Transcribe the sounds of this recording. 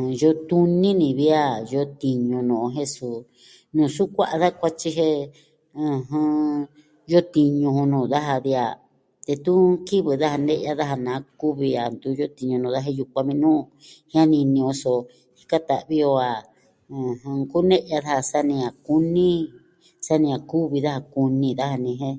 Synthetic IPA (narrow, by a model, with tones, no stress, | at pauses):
jo˧˦t̪u˦nĩ˦nĩ˧βi˦a˦˧jo˧˦t̪i˧ɲũ˧nũː˨˧ɦe˦˧su˧ | nũː˨su˦kʷa˦ʔa˧ða˦˧kʷa˦t͡ʃi˧ɦe˧ | ɨ̃˧ɦɨ̃˧ | jo˦t̪i˧ɲũ˧hũ˧nũː˧˨ða˦ɦa˧ði˧a̰˨ | t̪e˧t̪u˦ki˦βɨ˨ða˦ha˧nẽ˦ʔa˧ða˦ɦa˧nãː˨˦ku˦βi˧a˨nd̪u˧˦jo˦t̪i˧ɲũ˧nũː˧˨ða˦e˧ju˧kʷa˧mĩ˧nũ˦ | hĩ˦ã˦nĩ˧nĩ˧õ˧so˧ | hi̥˦ka˦t̪a̰˨ʔβi˦o˧a˨ | ɨ̃˨ɦɨ̃˧ku˦nẽ˦ʔa˧ða˦ha˧sa˦nĩ˧a˨ku˦nĩ˦ | sa˦nĩ˧a˧˨ku˦βi˧ða˦ha˧ku˧nĩ˧ða˦ha˧nĩ˧ɦẽ˦